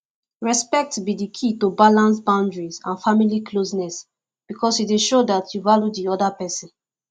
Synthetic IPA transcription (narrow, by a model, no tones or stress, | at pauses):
ɹɛspɛk̚tbidikʰitobalãnsbãʊ̃ndɹizãnfamiliklosnɛs | b̥ikɔsideʃodatʰjuvaljudiɔdapɛsĩn